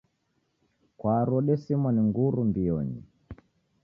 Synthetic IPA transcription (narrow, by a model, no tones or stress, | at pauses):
kwaɾɔɗɛsimaniŋɡuɾumbiɔɲḭ